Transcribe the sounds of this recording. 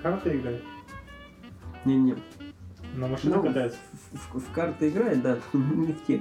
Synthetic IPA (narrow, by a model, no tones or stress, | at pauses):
kart̪ɨɪɡɾajɪt̪ | nʲenʲe | nomɐʂɨnuɐd̪ajɪffkart̪ɨɪɡɾajɪt̪̚d̪anʲɪftʲe